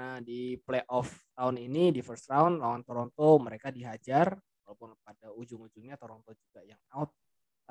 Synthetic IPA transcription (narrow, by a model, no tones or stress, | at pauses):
nahdipleʔɔft̪aʊninidifərst̪ɾaunlawant̪oɾɔnt̪ɔməɾekadiɦad͡ʒar | walawpʊnp̚adaud͡ʒʊŋud͡ʒʊŋɲat̪oɾɔnt̪od͡ʒuɡajaŋaʊt̪̚ | a